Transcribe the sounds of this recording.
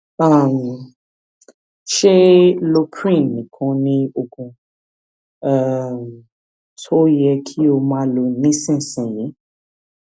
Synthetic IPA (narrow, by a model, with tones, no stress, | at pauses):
a˦˨m̩˨ | ʃe˦lo˧kʰɾĩ˦˨nːĩ˨kʰɔ̃˧˦nĩ˦o˧kũ˧ | a˦˨m | tʰo˦jɛ˧kʰi˦o˧mãː˦lo˧nĩ˦sĩ˦˨sĩ˨je˨˦